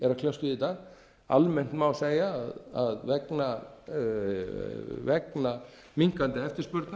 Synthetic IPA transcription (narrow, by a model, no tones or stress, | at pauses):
ɛɾakʰljawst̪ʏðit̪a | a̰lmɛn̥t̪mawseːjaðaðvɛkna | vɛkna | miŋ̥kant̪ɪɛft̪ɪɾ̥spœɾt̪na